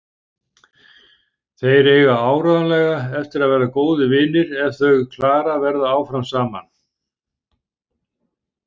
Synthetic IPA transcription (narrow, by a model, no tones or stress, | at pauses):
θejɾeːɣaaːwɾœðanlɛɣaɛft̪ɪɾaðvɛːɾakoːwðɪvɪːnɪɾɛð̥θœɥɣkʰlaːɾavɛɾðaaːwfɾamsaːma̰n